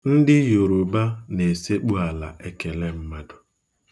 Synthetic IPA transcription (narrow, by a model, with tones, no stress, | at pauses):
n̩˦dɪ˦jo˨ɾu˨ba˦ne˨se˦k͡pu˦a˨la̰˨ʔe˦ke˨le˦m̩˦ma˦dʊ˨